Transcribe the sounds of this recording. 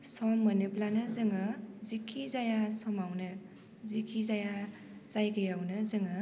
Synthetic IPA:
sɔmːənɯplanɯzɯŋɯzikʰizajasɔmawnɯ | zikʰizaja | z̥ajɡɯjawnɯzɯŋɯ

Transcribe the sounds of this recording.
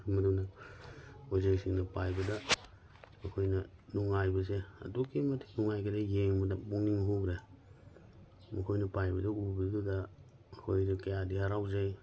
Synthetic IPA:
mɐnunɐ | ozeŋsiŋnɐpajbɐda | mɐkʰojnɐ | nuŋajbɐseɐ̰dukimɐtʰi̥nuŋajkʰadajeŋbɐdabuŋniŋɦuɡɾe | mɐkʰojnɐpajbɐdɐubiɡɯdaː | kʰojɾikejadihaɾawzaj

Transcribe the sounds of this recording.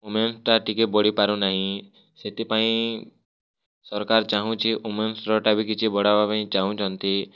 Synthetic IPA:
umensʈaʈikebɔɽipaɾũnaɦĩ | set̪ipaĩ | sɔɾkaɾt͡ʃaɦũt͡ʃʰiʔumensɾɔʈabikit͡ʃʰibɔɽabapaĩt͡ʃaɦũt͡ʃʰɔnt̪i

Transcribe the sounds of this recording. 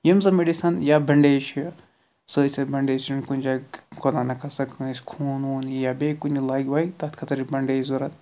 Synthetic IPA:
jɐmzɐmeɖisɐnjabɐɳɖeːt͡ʃʰɐ | səːsʲɐbɐɳɖeːt͡ʃɐnkunʲd͡ʒakod̪anɐkʰɐsɐkʰːsʲkʰuːnuːnijabekunilaːɡʲʋaːt̪ɐt̪ʰkʰɐt̪ɐɾibɐɳɖeːzuɾɐt̪

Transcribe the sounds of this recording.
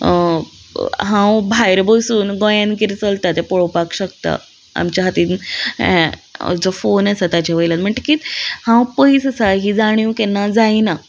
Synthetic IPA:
ɦãwbʱajɾbəwsuːnɡɔ̃jãnkiɾt͡səlt̪at̪epɔɭowpakɕək̚t̪a̰ | a̰mt͡ɕaɦat̪ĩː | d͡zofonasat̪at͡ɕaʋəjlat̪m̤əɳʈekiːt̪hãwpəisəsaɦiːd͡zaɽ̃ĩwkɛnːad͡zaina

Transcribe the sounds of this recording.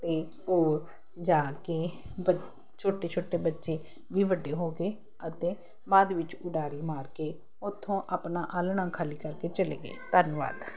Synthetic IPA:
t̪eː | oː | d͡ʒaːkeː | ə | t͡ʃʰoːʈeːt͡ʃʰoːʈeːbətːʃeː | ʋiːʋəɖːeːɦoːɡeː | ət̪ẽː | maːd̪ʋɪt͡ʃʊɖaːɾiːmaːɾkeː | ʊt̪ʰːõːʔaːpnaːʔaːlɳãːkʰaːliːkəɾkeːt͡ʃəlḛːɡḛːt̪ənʋa̰ːd̪

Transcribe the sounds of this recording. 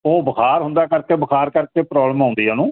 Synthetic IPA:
oːbəkʰaːɾɦʊ̃nd̪aːkəɾkeːbəkʰaːɾkəɾkeːpɾɔːbləmãːnd̪iːaːnũː

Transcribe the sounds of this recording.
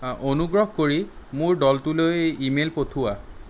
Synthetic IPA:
onuɡɹɔɦkoɹimʊɹɖɔltulojimelpotʰuwa

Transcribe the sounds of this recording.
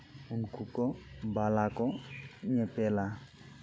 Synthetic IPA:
unkukɔbalakɔnepela

